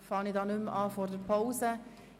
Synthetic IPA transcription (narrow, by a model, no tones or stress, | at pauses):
fɑːnidɑːnʉmɑːfɔɾdəɾpʰaʊsə